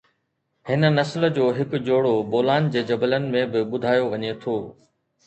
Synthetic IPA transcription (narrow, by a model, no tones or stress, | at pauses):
hɪnə̆nɐsld͡ʑoːɦɪkʊd͡ʑoːɽoboːlaːnd͡ʑeːd͡ʑɐbələnɪ̆mẽbɪɓʊd̪ʱaːjoʋɐɲet̪ʰoː